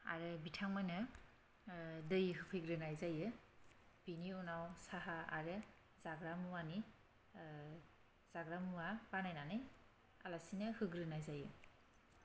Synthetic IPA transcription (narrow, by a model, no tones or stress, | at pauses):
a̰ɾɯbitʰaŋmanɯ | dɯjɦɯpʰɯjɡɾɯnajzajɯ | biniunawsaɦaa̰ɾɯ | zaɡɾamuwani | z̥aɡɾamuwabanajnanɯj | alasinɯhɯɡɾɯnajzajɯ